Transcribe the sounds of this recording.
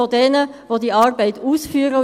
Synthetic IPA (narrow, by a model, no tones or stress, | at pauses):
odɛːnəvoːdiːɑːʁbɛɪt̪uːsfyːɾə